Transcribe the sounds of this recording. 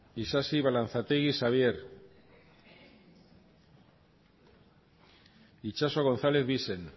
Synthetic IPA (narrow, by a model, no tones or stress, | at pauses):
isasiβalan̟θat̪ejɣisaβ̞je̞ɾ | it͡ʃasoɣo̞n̟θale̞θβise̞n